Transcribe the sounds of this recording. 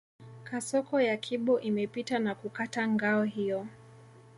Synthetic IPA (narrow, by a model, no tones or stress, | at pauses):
kasɔkɔjakʰiɓɔʔimɛpitanakukataŋɡaɔɦijɔ